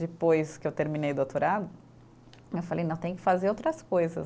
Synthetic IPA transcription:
d͡ʒɪpojskɪewt̪eɾmĩnejd̪ot̪oɾad̪ʊ | ewfalejnɐ̃w̃t̪ẽj̃ʊ̃kɪ̥fazeɾowt̪ɾɐskojzɐ

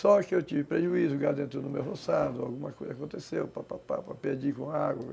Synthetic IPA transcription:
sɔkɪewt͡ʃivɪpɾeʒuizʊɡad̪ẽnt̪ɾʊnʊmewɦosad̪ʊawɡũmɐkojzɐakõt̪esewpapapa̰pɾɐped͡ʒikõaɡwɐ

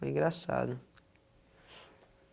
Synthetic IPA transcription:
ĩŋɡɾasa̰d̪ʊ

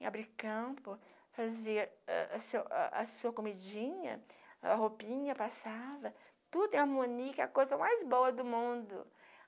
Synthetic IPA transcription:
a̰bɾikɐ̃pʊ | faziɐɛ̰ʔsewa̰ɐsuɐkomid͡ʒĩɲɐ̰ɐɦopĩɲɐpasavɐ | t̪ud̪aɾmõniɐkɛɐkojzɐmajzboɐd̪ʊmũd̪ʊ̰

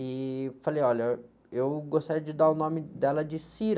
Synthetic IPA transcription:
ɪfalejɔʎɐ | ewɡost̪aɾiɐd͡ʒɪd̪aɾʊnõmɪd̪ɛlɐd͡ʒɪsiɾ

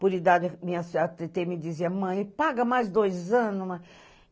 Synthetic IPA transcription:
puɾid̪ad͡ʒmĩɲɐsɐt̪et̪emɪd͡ʒ̪iziɐmɐ̃j̃ɪpaɡɐmajzd̪ojzɐ̃nʊmɐ

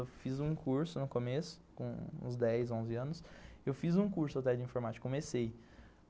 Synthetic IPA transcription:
wfizũkʰuɾsʊnʊkomesʊ̥kõṵ̃zd̪ɛjzõzɪɐ̃nʊsewfizũkuɾsʊat̪ɛd͡ʒɪĩfoɾmat͡ʃɪ̥kːkõmesej

